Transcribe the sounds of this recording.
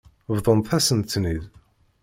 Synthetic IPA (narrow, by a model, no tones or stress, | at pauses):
vðˤənθæsənt̪ːnið